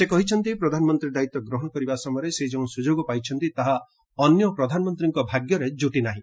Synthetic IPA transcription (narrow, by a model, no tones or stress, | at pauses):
sekɔɦit͡ʃʰɔnt̪ipɾɔd̪ʱanɔmɔnt̪ɾiɾd̪ait̪ɔɡɾɔɦɔɽ̃ɔkɔɾibasɔmɔjɾeseid͡ʒeũsud͡ʒoɡɔpajt͡ʃʰɔnt̪it̪aɦa | ɔnjɔpɾɔd̪ʱanɔmɔnt̪ɾiŋkɔbʱaɡjɔɾed͡ʒuʈinaɦĩ